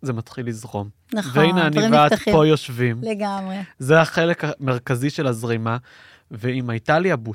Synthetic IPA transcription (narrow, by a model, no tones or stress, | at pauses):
zematχilːizʁo̞m | nveeijneaniveado̞jo̞ʃvimleɡamʁezeaχelekameʁ̞kaziʃe̞lazʁima | veimaitaljabu